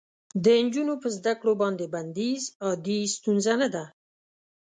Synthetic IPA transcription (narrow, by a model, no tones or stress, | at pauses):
d̪ənd͡ʒunopəzd̪akɽobɑnd̪eband̪izɑd̪ist̪unzanad̪a